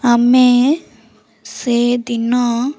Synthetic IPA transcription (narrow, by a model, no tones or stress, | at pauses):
amẽ | sed̪ina